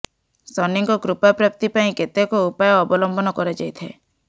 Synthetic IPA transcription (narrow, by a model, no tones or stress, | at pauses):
sɔniŋkɔkɾupapɾap̚t̪ipaĩket̪ekɔupajɔːbɔlɔmbʱɔnɔkɔɾed͡ʒajt̪ʰe